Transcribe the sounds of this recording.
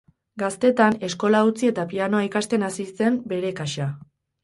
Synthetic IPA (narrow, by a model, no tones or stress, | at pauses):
ɡast̪e̞t̪ane̞sko̞laut͡sie̞t̪apiano̞aikast̪e̞nasise̞mbe̞ɾe̞kaʃa